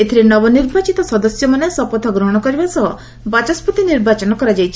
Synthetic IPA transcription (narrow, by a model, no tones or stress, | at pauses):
et̪ʰiɾinɔbɔniɾbat͡ʃit̪ɔsɔd̪ɔsjɔmanesɔpɔt̪ʰɔɡɾɔɦɔɽ̃ɔkɔɾibasɔɦ | bat͡ʃɔsput̪iniɾbat͡ʃɔnɔkɔɾad͡ʒajt͡ʃʰi̥